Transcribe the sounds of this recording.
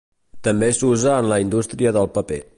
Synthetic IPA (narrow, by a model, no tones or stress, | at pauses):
t̪əmbesuzəːnləind̪ust̪ɾiəðəlˠpəpe